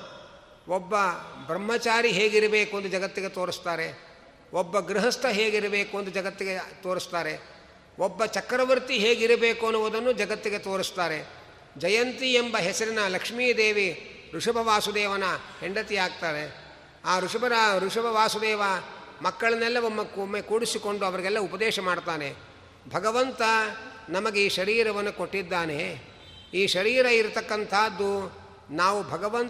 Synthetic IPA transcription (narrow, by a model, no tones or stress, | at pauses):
ɔbːɐbɾɐmːɐt͡ʃaːɾiɦeːɡiɾɐbeːkuɐnd̪ud͡ʒɐɡɐt̪ːiɡet̪oːɾist̪aːɾe̞ | ɔbːɐɡɾiɦɐst̪ʰɐɦeːɡiɾɐbeːkuɐnd̪ud͡ʒɐɡɐt̪ːiɡet̪oːɾist̪aːɾe | ɔbːɐt͡ʃɐkːɾɐʋɐɾt̪iɦeːɡiɾɐbeːkuɐnːuʋud̪ɐnːud͡ʒɐɡɐt̪ːiɡet̪oːɾist̪aːɾe̞ | d͡ʒɐjɐnt̪iembɐɦesɐɾinɐlɐkʂmiːjɐd̪eːʋi | ɾuʂɐbʱɐʋaːsud̪ɛːʋɐnɐheɳɖɐt̪iaːɡ̚t̪aːɾe̞ | aːɾuʂɐbɐɾɐɾuʂɐbʱɐʋaːsud̪ɛːʋɐmɐkːɐɭɐnːɛlːɐʋomːɐkːuomːekuːɽisiko̞ɳɖuɐʋɐɾiɡɛlːɐupɐd̪ɛːʃɐmaːɖt̪aːne̞ | bʱɐɡɐʋɐnt̪ɐnɐmɐɡeiːʃɐɾiːɾɐʋɐnːuko̞ʈːid̪ːaːne̞ | iːʃɐɾiːɾɐiɾt̪ɐkːɐnt̪ʰaːd̪ːu | naːʋubʱɐɡɐʋɐn